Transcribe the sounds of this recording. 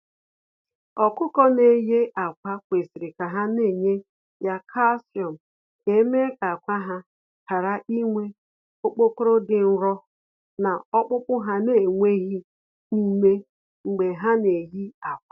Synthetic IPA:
ɔ˨kʊ˦kɔ˦ne˨je˦ʔa˨kʷa˦kʷe˨si˨ɾɪ˨ka˨ɦa˦ne˦˨ɲe˦ | ja˦kʰa˦sjɔ˨m̩˨ | ke˨˦me˦ka˨kʷa˦ɦa˦ | ka˨ɾa˦ʔi˦ŋʷe˦ | o˦k͡po˦kʊ˦ɾo˦dɪ˨n̩˦ɾɔ˦ | na˨ɔ˦k͡pʊ˦k͡pʊ˦ɦa˦ne˨ŋʷe˦ɦi˦ | ni˦me˦ | ŋ͡m̩˨ɡ͡be˨ɦa˦ne˨ɦi˦a˨kʷa˦

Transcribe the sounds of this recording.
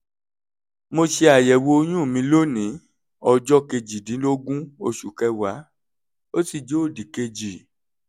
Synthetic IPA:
mo˧ʃe˧a˨jɛ˨wo˧o˧j̃ũ˦˨mĩ˧˦lo˦nĩ˨˦ | ɔ˧d͡ʒɔ˦ke˧d͡ʒi˨dĩ˨˦lo˦ɡũ˦o˧ʃu˨kɛ˧wa˨˦ | o˦ti˦˨d͡ʒo˨˦o˦˨di˨ke˧d͡ʒi˨

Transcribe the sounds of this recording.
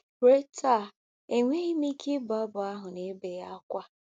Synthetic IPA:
ɾe˦ta˦˨ | e˨ŋʷe˦ɣi˦mi˦kʰe˦bʊ˨a˦bʊ˨a˦ɦʊ˨ne˦be˨ja˦kʷa˦

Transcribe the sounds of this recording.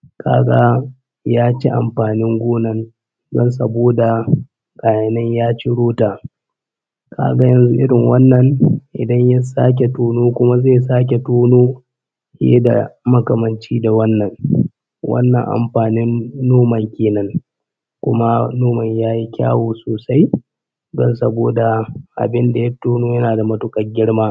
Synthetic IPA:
kʰa̰ː˦ɡa˦ | jaː˦t͡ʃḭ˦ʔa̰˨mɸaː˨nɪ˦ŋɡʷoː˦nɐ˨n | dɔ̰˦nsɐ̰˨boː˦da˨ | kʼaː˨jɐ˨nɐ˦ɲjaː˦t͡ʃi˦ɽoː˦taː˨ | ka̰ː˦ɡa˦jɐ˨nzu˦ʔɪ˦ɽɪ˨ŋwɐ˦nːɐ˨ŋʔɪ̰˨dɐ˦ɲja˦saː˦k̬ʲe˨toː˦noː˦kʷʊ˦ma˦zeː˦˨saː˦k̬ʲe˨toː˦noː˦ | hḛ˦da̰˨mɐ˦kɐ˨mɐ˨nt͡ʃiː˦da˨wɐ˦nːɐ˨ŋ | wʔɐ̰˦nːɐ˨ŋʔa̰˨mɸaː˨nɪ˦nːoː˦mɐ˨ŋkʲeː˨nɐ˦ŋ | kʷʊ˦ma˦noː˦mɐ˨ɲjaː˦ji˦kʲa̰ː˦woː˨soː˨sa˦j | ɡɐ̰˦˨nsɐ˦boː˨da˨ʔa̰˨bɪ˦nda˨jɐ˦toː˦noː˦jɐ˦naː˨da˨mɐ˦tʊ˦kʼɐ˨rɡʲɪ˦ɽmaː˦

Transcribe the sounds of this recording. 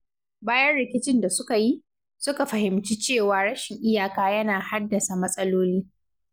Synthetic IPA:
baː˦jɐ˦nɽɪ˨kʲɪ˦t͡ʃɪ˦˨nda˨sʊ˦ka˨ji˦ʔ | sʊ˦ka˨ɸɐ˨ɦɪ˨mt͡ʃiː˦t͡ʃeː˦˨waː˨ɽɐ˦ʃɪ˨ŋʔɪ˦jaː˨kaː˦jɐ˦naː˨ha˦dːɐ˨sa˨mɐ˦sʼɐ˦loː˦liː˦

